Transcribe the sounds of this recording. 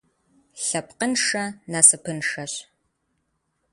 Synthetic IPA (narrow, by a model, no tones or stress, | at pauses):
ɬɐpqənʂɐnasɨpʰɨnʂɐɕ